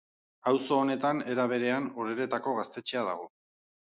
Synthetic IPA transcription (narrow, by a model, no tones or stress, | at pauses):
awso̞ːne̞t̪ane̞ɾaβ̞e̞ɾe̞anoɾe̞ɾe̞t̪ako̞ɣast̪e̞t͡ʃeað̞a̰ɣ̞o̞